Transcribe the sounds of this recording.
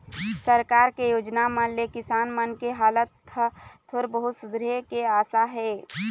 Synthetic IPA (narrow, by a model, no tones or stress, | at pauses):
səɾkaːɾkejoːd͡ʒnamãnlekɪsaːnmankeɦaːlət̪ʰː | oɾbəɦʊt̪sʊd̪ɾekeaːsaɦɛː